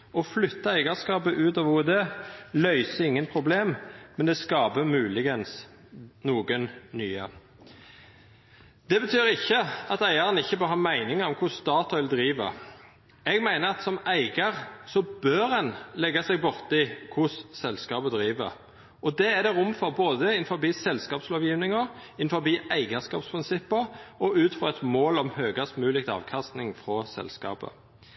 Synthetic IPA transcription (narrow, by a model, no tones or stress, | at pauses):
ɔflʏt̪ːəæɪɡɑskɑːpəʔʉːt̪ɑːʋud̪ɛːlœʏsəɪŋːənpʰɾʊbleːmmɛnd̪ɛskɑːbəmʉːlɪɡəns | nuːɡənnyːə | d̪̥ɛbət̪ʰyːɾɪçːəɑt̪æɪəɾənɪçːəbøːɾɦɑːmæɪnɪŋəɔmkʰʊsst̪ɑːt̪ɑʋɪld̪ɾiːʋə̰ | ɛɡmæɪnəɾɑt̪sɔmæɪɡɑʁsɔbøɾɛnlɛɡːɑsɛɡ̚bʊʁt̪əɪkʰʊssɛlskɑːbəd̪ɾiːʋə̰ɾ | ʔɔd̪ɛæd̪ɛʁʊmfɔʁboːd̪əɪnfɔʁbiːsɛlskɑːpsloːʋjiːʋnɪŋəɾɪnfɔbiːʔæɪɡəskɑ̰ːpspʰɾɪnsɪpːəɾɔʉːt̪fʁɔʁɛt̪moːlɔmhøːɡɑsmʉːlɪk̚t̪ɑ̰ːʋkʰɑst̪nɪŋfɾɔsɛ̰lskɑ̰ːpə̰